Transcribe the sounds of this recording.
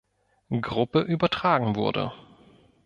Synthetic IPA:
ɡʁʊpəʔyːbɐtʁ̥aːɡŋ̩vʊɐdə̰

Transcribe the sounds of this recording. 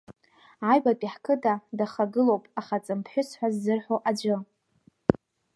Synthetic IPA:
ʕajbapʼiħkʰɨdadaχaɡɨlowpʼaχat͡sʼɨmpʰħʷᶣʏsħʷazːɨrħoʔad͡ʒɨ

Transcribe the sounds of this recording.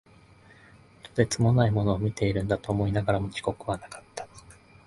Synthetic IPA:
t̪ːod̪e̞t͡sɨmo̞naimo̞no̞ːmʲit̪e̞iɾɯ̟̃nd̪at̪o̞ːmo̞inaɡaɾamo̞t͡ɕi̥ko̞kɯ̟βanakḁt̪ːḁ

